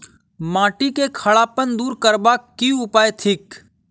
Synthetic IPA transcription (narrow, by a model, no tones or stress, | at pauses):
mãːʈikekʰəɭaːpənd̪uːɾkəɾbaːkːiʊpaːet̪ʰɪk